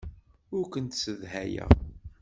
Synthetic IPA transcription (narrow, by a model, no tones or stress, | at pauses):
ʊɾkʷənt̪səðɦæjæ̰